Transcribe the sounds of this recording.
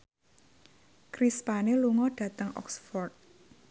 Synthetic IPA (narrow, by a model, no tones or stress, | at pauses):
kɾispaneluŋɔɖ̥ä̤t̪əŋʔɔ̰ksfɔrt̪̚